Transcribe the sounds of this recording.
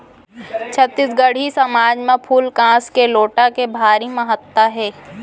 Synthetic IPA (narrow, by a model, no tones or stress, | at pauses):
t͡ʃʰət̪ːɪsɡəɽ̤isɐmaːd͡ʒmẽpʰuːlkãːskeloːʈakebʱaːɾimɐɦət̪ːəɦɛː